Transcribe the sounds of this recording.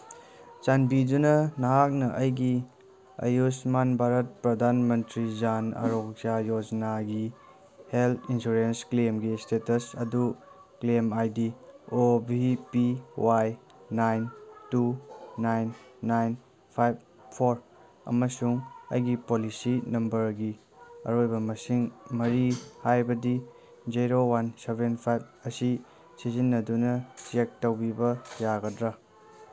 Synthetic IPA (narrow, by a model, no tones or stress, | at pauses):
t͡ʃanbidunɐnɐɦak̚nɐʔɐjɡi | ɐ̰jusmanbʱaɾɐt̚pɾɐdʱanmɐntɾid͡ʒanɐ̰ɾok̚ajod͡ʒnaɡi | heltʰinsuɾensklemɡistetɐsɐdu | klemajdiobʱipiwaj | najntunajnːajn | pʰajb̚ʰ | oɾ | ɐ̰mɐsuŋɐ̰jɡipolisinɐmbɐɾɡi | ɐ̰ɾojbɐmɐsiŋmɐɾihajbɐdi | d͡ʒiɾowansebenpʰajb̚ | ɐsi | sizinːɐdunɐt͡ʃek̚tɐwbibɐjaɡɐdɾɐ